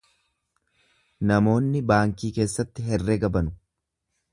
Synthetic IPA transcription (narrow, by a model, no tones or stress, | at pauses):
nɐmo̞ːnːɪbaːŋkiːke̞ːsːɐt̪ːɪɦɛrːeːɡɐbɐnʊ̥